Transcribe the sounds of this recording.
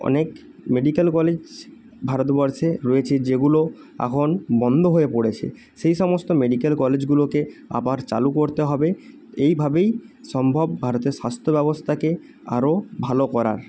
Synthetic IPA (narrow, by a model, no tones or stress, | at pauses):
ɔ̰nek | meɖikelkɔled͡ʑ | bʱaɾot̪bɔɾʃeɾɔet͡ɕʰed͡ʑeɡulo | a̰kʰonbɔnd̪ʱoɦoepoɽet͡ɕʰḛ | ʃejʃɔmost̪omeɖikelkɔled͡ʑɡulokea̰baɾt͡ɕa̰lukoɾt̪eɦɔbe | ejbʱabej | ʃɔmbʱobbʱaɾot̪eɾʃast̪ʰobɛbost̪ʰake | a̰ɾobʱalokɔɾa̰ɾ